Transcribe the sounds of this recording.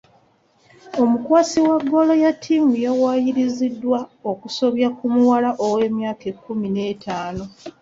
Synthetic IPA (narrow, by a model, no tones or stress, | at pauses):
o̞mukwaːsiwaɡːolo̞jatʰːimujawaːjiɾizidːwaokuso̞βjakumuwalaʔowe̞ːmjaːke̞kːumine̞ːtʰaːno̞